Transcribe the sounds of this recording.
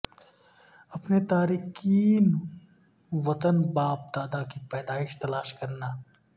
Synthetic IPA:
ɐpnet̪aːɾiːkiːn | ʋɐt̪ənbaːp̚d̪aːd̪akipɛːd̪aːɪʃt̪ɐlaːʃkɐɾna

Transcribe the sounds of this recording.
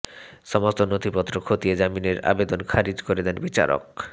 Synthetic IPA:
ʃɔmost̪onot̪ʰipɔt̪ːɾokʰot̪ied͡ʑamineɾa̰bed̪onkʰaɾid͡ʑkoɾed̪ɛnbit͡ɕa̰ɾo̰k̚

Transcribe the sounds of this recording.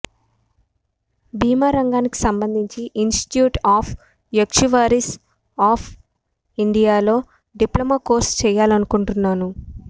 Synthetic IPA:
biːmaːɾɐŋɡaːniki̥sɐmbɐnd̪ʱiɲt͡ʃiʔinsʈi̥ʈjuːʈaːpʰ | jekʂuʋaːɾis | aːpʰ | iɳɖijaːlo̞ː | ɖiplɐmaːkoːɾst͡ʃɛːjaːlɐnukuɳʈunːaːnu

